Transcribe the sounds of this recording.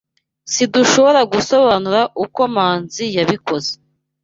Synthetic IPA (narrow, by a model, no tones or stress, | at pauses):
siduʃo̞βo̞ɾaɡuso̞βanuɾaʔuko̞maːnzijaβiko̞ze̥